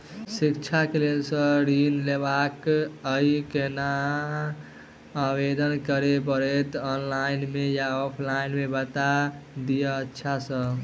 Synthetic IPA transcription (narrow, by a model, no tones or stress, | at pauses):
sikt͡ʃʰakelelsə̃ɾinlebakəikena | abed̪ənkəɾep̬əɾɛt̪ɔnlainmejaɔpʰlainmebət̪ad̪ijəətːʃʰasə̃